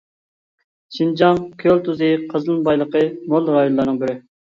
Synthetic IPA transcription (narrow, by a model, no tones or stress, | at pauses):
ʃind͡ʒɑŋkʲʰølt̪uzɨqʰəzlˠɨnbɑjlˠəqəmolˠɾɑjonlːˠɑɾnɨŋbɪɾɪ